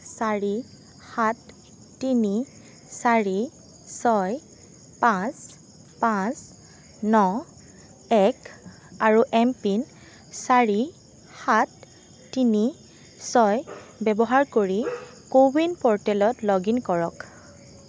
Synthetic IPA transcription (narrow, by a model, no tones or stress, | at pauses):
saɹi | hatː | ini | saɹi | sɔj | pãs | pãs | nɔ | ɛk | aɹuʔɛmpin | saɹi | hatː | ini | sɔjbɛbɔɦaɹkoɹikowinpɔɹtɛlɔtlɔɡinkɔɹɔk